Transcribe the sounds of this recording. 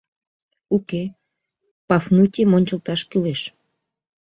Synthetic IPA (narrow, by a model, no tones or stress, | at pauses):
uke | pɑfnutʲemonʲt͡ɕəlt̪ɑʃkyleʃ